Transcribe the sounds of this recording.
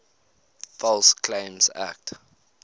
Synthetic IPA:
fɔlskʰlẽɪ̃msæ̰k̚t

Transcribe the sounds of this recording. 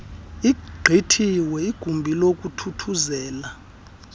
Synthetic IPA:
iɡ͡ǃʱitʰiwɛiɡ̥ʱumbʱilokʼutʰutʰuzɛːla

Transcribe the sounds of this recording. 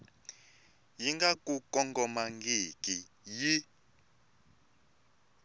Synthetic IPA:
jiŋɡakʼukʼɔŋɡɔmaŋɡikʼi | ji

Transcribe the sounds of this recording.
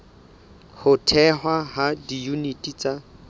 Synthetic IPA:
hʊtʰɛɦwahadijunitʼit͡sa

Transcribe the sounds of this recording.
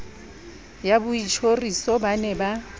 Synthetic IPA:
jabʊit͡ʃʰorisɔbanɛba

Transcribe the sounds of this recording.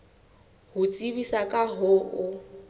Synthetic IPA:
hʊt͡sʼiβisakʼaɦʊːʊ

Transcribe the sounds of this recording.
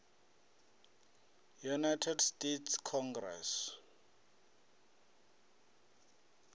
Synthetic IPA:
junajtʰɛdstetʰskʰɔŋɡrɛ̰s

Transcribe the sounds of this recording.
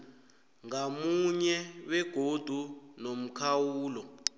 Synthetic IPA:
ŋamuɲɛwɛɡ̥ʱod̥ʱunom̩kʰawuːlɔ

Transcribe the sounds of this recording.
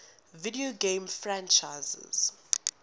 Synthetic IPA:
vidioɡẽmfɹãnt͡ʃaɪzɛ̰z̥

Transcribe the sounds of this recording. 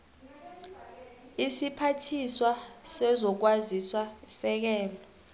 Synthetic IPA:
isipʰatʰiswasɛzɔk̬waziswasɛk̬ɛːlɔ

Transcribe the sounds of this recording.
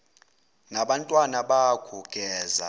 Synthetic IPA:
naɓantʼwanaɓaɡ̥ʰʱuɡ̥ʱɛːza̰

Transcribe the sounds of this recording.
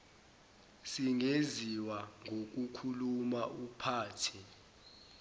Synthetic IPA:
siŋeziwaŋʱok̬ukʰulumaʔupʰaːtʰi

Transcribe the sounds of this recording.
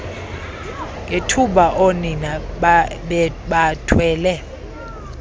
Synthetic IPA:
ŋɡʱetʰuɓaʔonina | ɓatʰwɛːlɛ

